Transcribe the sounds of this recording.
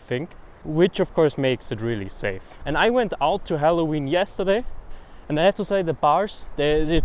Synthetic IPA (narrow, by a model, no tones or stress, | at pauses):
θɪ̃ŋk | wɪt͡ʃʌv̥kʰɔɹsmeɪksɨt̚ɹɪlˠḭseɪfɨ̃naɪwɛ̃ntaʊtʰɨɦælˠowĩnjɛstə˞deɪɨ̃naɪhæftɨseɪðəbɑɹz̥ðɨðə